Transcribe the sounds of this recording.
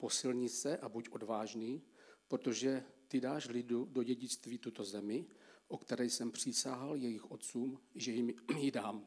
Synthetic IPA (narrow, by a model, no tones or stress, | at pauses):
po̞sɪlɲɪt͡sɛʔabucʔo̞dvaːʒniː | pɾot̪o̞ʒɛt̪ɪdaːʃlɪdudo̞ɟɛɟɪt͡st̪viːt̪ut̪o̞zɛmɪʔokt̪ɛɾɛjsɛmpr̝̥ɪsaːɦaljɛjɪxʔo̞t̪t͡suːmʒɛjɪmjɪdaːm